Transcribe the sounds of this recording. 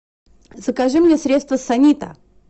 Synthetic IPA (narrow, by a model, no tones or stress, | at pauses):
zəkɐʐɨmnʲesɾʲet̪st̪vəsɐnʲit̪ə̰